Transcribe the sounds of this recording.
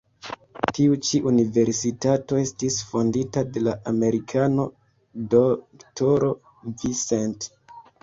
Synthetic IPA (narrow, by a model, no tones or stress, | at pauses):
tiut͡ʃiʔunive̞ɾsitato̞e̞stisfo̞nditade̞laʔame̞ɾikʰano̞ | doktoɾo | visent